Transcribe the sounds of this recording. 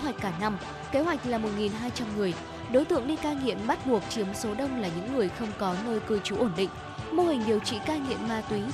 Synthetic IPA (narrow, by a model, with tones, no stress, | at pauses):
ɦwa˨˩k̟kːaː˧˩na˧m | ke˨˦ɦwa˨˩jk̟̚laː˨˩mo˨˩t̚ŋi˨˩nɦaː˧jt͡ɕa˧mŋɨ˨˩əj | ɗo˨˦jt̪ɨ̰˧˨əŋɗi˧kaː˧ŋḭ˧˨əmɓa˦˥t̚ɓu˨˩ək̚t͡ɕi˨˦əmso˨˦ɗə˧wŋ͡mlaː˨˩ɲɨ̰˧˥ŋːɨ˨˩əjxə˧wŋ͡mkɔ˨˦nəː˧jkɨ˧˩jt͡ɕu˨˦ʔo˧˩nɗḭ̈˧˨ŋ̟ | mo˧hï˨˩ŋ̟ɗi˨˩əwt͡ɕḭ˧˨kaː˧ŋḭ˧˨əmmaː˧˩t̪wi˨˦